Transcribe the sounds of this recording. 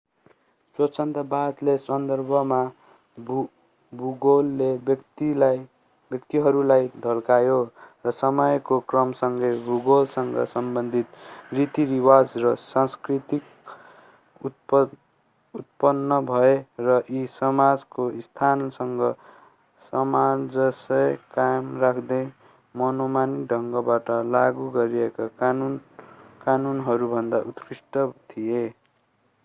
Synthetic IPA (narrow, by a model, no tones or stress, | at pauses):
swʌt͡sʰʌnt̪ʌbad̪lesʌnd̪ʌrbʱʌma | buɡolːet̪il | bjʌkt̪iɦʌɾulajdʱʌlkajorʌsʌmʌjkokrʌmsʌŋɡʌjbuɡolsʌŋɡʌ̰sʌmbʌnd̪ʱit̪rit̪iɾiwad͡zrʌsanskrit̪ik | ut̪̚pʌnːʌbʱʌerʌʔisʌmad͡zkoist̪ʰansʌŋɡʌ | sʌmad͡zʌsʌjkajmrakʰd̪ʌj | mʌnomaniɖʱʌŋɡʌbaʈʌlaɡuɡʌɾiekanunkanunɦʌɾubʱʌnd̪aʔut̪prisʈʌt̪ʰije